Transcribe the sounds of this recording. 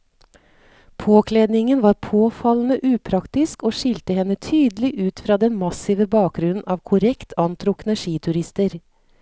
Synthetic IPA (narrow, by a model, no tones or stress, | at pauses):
pʰoːkʰleːd̪nɪŋənʋɑːɾpʰoːfɑln̩əʔʉːpʰɾɑkt̪ɪskoːʃɪlt̪əhɛnːət̪ʰyːd̪lɪʔʉːt̪fɾɑːd̪ɛnmɑsiʋəbɑːk̚ɡɾʉnn̩ʔɑːʋkʰʊɾɛkt̪ʰɑnt̪ʰɾʊknəʂiːt̪ʰʉɾɪst̪əɾ